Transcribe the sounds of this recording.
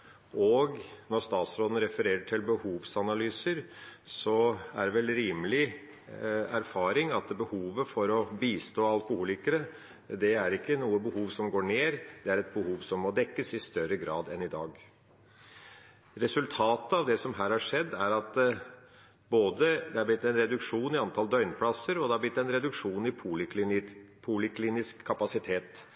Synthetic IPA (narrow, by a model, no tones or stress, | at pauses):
ɔɡnɔɾst̪ɑːt̪sɾoːd̪n̩ɾɛfəɾeːɾəʈʰɪlbəhuːʋsɑnɑlyːsəɾsɔæ̰ɾʋɛlɾiːməlɪ | æɾfɑːɾɪŋɑt̪bəhuːʋəfɔɾɔbiːst̪oːɑlkʊhuːlɪkəɾə | d̪ɛæɾɪkːənuːəbəhuːʋsɔmɡoːɳeːɾd̪̥ɛæɾɛt̪̚bəhuːʋsɔmːɔd̪ɛkːəsɪst̪œɾəɡɾɑ̰ːd̪ɛnɪd̪ɑ̰ːɡ | ɾɛsʉlt̪ʰɑːt̪əɑʋd̪ɛsɔmɦæːɾhɑʂɛd̪ːæɾɑt̪ | boːd̪əd̪ɛhɑblɪt̪ːɛnɾɛd̪ʉkʂuːnɪɑnt̪ʰɑld̪œʏnpʰlɑsːəɾɔd̪ɛɑblɪt̪ːɛnɾɛd̪ʉkʂuːnɪpʰulk̪pʰulɪkʰliːnɪskʰːɑpɑsɪt̪ʰeːt̪